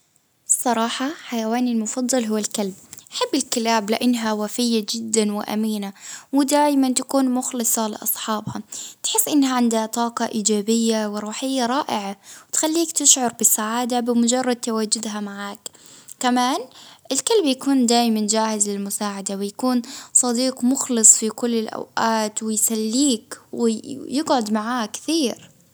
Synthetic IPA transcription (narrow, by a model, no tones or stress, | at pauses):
sˤːɑɾˤɑːħɑħajawaːnɪlmʊfɑd̪ˤːɑlɦʊwːalkalb̚ʔaħɪbːɪlkɪlaːblɪʔanːɦawafɪjːad͡ʒɪd̪ːanwɪ̰ʔa̰miːnawɪd̪aːjmant̪akuːnmʊxlɨsˤɑlɪ̰ʔɑsˤħɑːbhɑt̪ħɪsːʔɪnːhaʕɪnd̪at̪ˤɑːqɑʔiːd͡ʒaːbɪjːawɪɾˤuːħɪjːaɾˤɑːʔɪʕawɪt̪xalːiːkt̪ɪʃʕʊɾˤbɪsːaʕaːd̪abɪmʊd͡ʒɑrˤːɑd̪̚t̪awaːd͡ʒʊd̪ɦamaʕaːk | kamaːnʔɪlkalbjakuːnd̪aːjmand͡ʒaːhɪzlɪlmʊsaːʕad̪awɪjakuːnsˤɑd̪iːqmʊxlɨsˤfikʊlːɪlʔa̰wʔaːt̪wɪjsalːiːkwɪjɪɡʕʊd̪maʕaːkθiːɾ